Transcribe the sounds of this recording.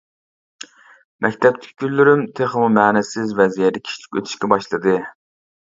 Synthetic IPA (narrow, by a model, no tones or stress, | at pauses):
mʔɛkʲt̪ʰɛp̚t̪ʰɪ̥kʲʰi̥ɡʲylːyɾymt̪ʰeχəmumɛːnɛsɪzvɛzijɛd̪ɛkʲʰi̥t͡ʃʰi̥kʲøt̪ʰy̥ʃkʲɛbɑʃlˠɨd̪ɨ